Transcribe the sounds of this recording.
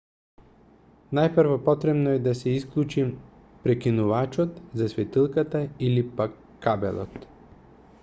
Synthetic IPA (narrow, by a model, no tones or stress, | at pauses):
najpɾvɔpɔt̪ɾɛbnɔɛd̪asɛisklˠut͡ʃim | pɾɛkinuvat͡ʃɔt̪zasvɛt̪ilˠkat̪ailipakːabɛ̰lˠɔ̰t̪